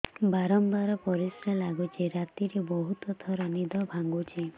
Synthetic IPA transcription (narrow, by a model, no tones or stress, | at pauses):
baɾɔmbaɾɔpɔɾisɾalaɡut͡ʃʰeɾat̪iɾebɔɦut̪ɔt̪ʰɔɾɔnid̪ʱɔbʱaŋɡut͡ʃʰe